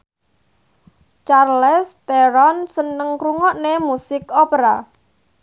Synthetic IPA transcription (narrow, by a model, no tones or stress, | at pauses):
t͡ʃarlɛst̪ɛɾɔnsənəŋkɾuŋɔʔnemusɪkɔpeɾa